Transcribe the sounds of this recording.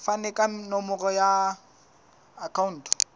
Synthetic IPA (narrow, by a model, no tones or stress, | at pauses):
fanɛkʼanɔmʊrɔja | kʰaun̩ːtʰɔ̥